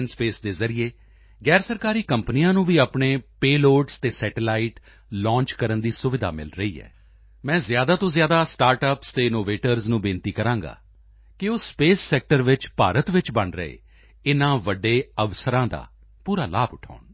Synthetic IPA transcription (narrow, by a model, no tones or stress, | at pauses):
nspeːsd̪eːzəɾijeː | ɡɛːɾsəɾkaːɾiːkəmpnijãːnũːʋiːapɳeːpeːloːʈst̪eːsɛːʈelaːiʈ | lɔ̃ːɲt͡ʃkəɾənd̪iːsʊʋɪd̪ʱa̰ːmɪ̰lɾəḭːɦɛ̰ː | mɛ̃ːzjaːd̪aːt̪õːzjaːd̪aːsʈaːɾʈəpst̪eːɪnoːʋeːʈəɾznũːbɪ̃nt̪iːkəɾãːŋɡa̰ː | kɪoːspeːsːɛːk̚ʈəɾʋɪt͡ʃpaːɾət̪ʋɪt͡ʃbəɳɾə̰ḛː | ɪnãːʋəɖeːəʋsəɾãːd̪a̰ː | puːɾaːlaːbʊʈʰa̰ːʊɳ